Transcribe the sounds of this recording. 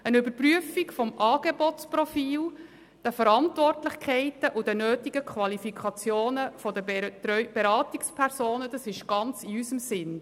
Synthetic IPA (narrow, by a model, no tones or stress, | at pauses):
ənʏbəɾpryəfiɡfɔmʔɑːɡ̥ebɔtt͡sprɔfiːl | d̥əfəɾɑntvɔrtlɪχkʰɛɪtəʔʊdənøːtiɡəkχvɑlifikʰɑt͡sjoːnəfɔdətɾœʏb̥eɾɑːtikspʰɛɾsoːnəd̥ɑsɪʃɡ̥ɑnt͡siysəmsɪn